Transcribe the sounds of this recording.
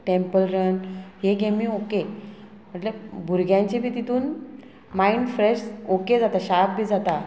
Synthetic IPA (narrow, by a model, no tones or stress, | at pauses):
ʈempəlɾənɦeɡemiːoke | m̤əʈləbʱuɾɡjãɲt͡ɕebiːt̪it̪uːn | maiɳɖfɾeɕoked͡zat̪aɕab̚bʱiːd͡zat̪a